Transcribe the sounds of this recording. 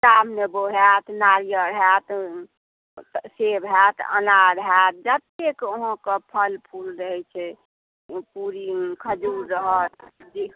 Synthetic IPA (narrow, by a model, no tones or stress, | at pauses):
kamneboɦɛt̪naɾjəɾəɦɛt̪ | sebɦɛt̪ə̰naɾəɦɛt̪̚d͡ʒət̪ekoɦɔ̃kepʰəlpʰulɾəɦɛt͡ʃʰɛ | puɾikʰəd͡ʒuɾːəɦət̪̚d͡ʒi